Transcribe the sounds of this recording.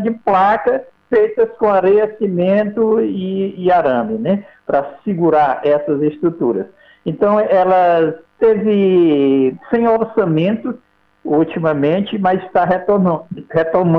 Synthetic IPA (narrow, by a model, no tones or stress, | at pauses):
d͡ʒɪplakɐ | fejt̪ɐskõaɾejɐsimẽnt̪ʊiːaɾɐ̃bɪnɛpɾɐsiɡuɾaɾɛsɐzest̪ɾut̪uɾɐ̰s | ẽnt̪ɐ̃w̃ɛlɐt̪evɪ | sẽj̃oɾsɐ̃mẽnt̪ʊ | ut͡ʃimɐmẽt͡ʃɪmɐzɪst̪aɦet̪ohet̪om̃